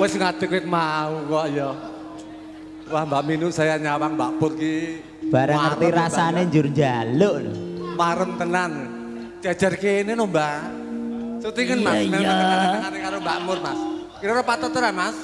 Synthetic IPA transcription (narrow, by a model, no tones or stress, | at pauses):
wɛsŋat̪ɪkwɪk̪̚maukoaʔjɔ | wahmbaʔminʊʔsajaɲawaŋbaʔpʊrki | b̥aɾaŋːərt̪iɾasaneɲd͡ʒʊrɲd͡ʒalʊʔlmaɾəmt̪ənan | t͡ʃḁd͡ʒərkenenɔmba | sot̪iŋənmasmɛaəŋaɾekaɾomba̰ʔmʊrmas | kiɾoɾapat̪ət̪əɾanmas